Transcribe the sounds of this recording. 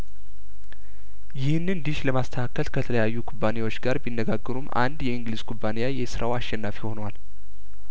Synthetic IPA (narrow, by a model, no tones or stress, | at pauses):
jɪhɨnɨnd̪iʃləmast̪ʰəakʰːəlkʰət̪ʰələjajːukʰubːane̞wo̞t͡ʃːɡaɾbinːəɡaɡːəɾumʔa̰nd̪jɛɨŋɡlizkʰubːanejajɛsɨɾʔawaʃːɛnːafiho̞nwal